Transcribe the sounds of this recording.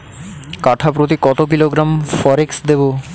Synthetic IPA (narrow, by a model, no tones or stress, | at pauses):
kaʈʰapɾot̪̬ikɔt̪ok̬iloɡɾamfɔɾeksd̪ebo